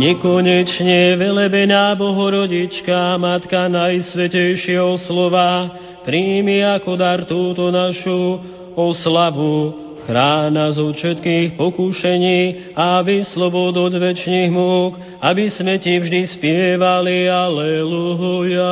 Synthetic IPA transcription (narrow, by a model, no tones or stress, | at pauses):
ɲɛkɔɲɛt͡ʃɲɛʋɛlɛbɛɲaːbɔɦɔɾɔɟit͡ʃkamat̪kanajsʋɛcɛjʃɪɛɦɔslɔʋa | pɾiːmiakɔd̪aɾt̪uːt̪ɔnaʃu | ɔslaʋu | xɾaːnazɔfʃɛt̪kiːxpɔkuʃɛɲiː | aʋislɔbɔd̪ɔzʋɛt͡ʃniɣmuːk | abismɛcivʒd̪ispɪɛʋalialɛluɦɔja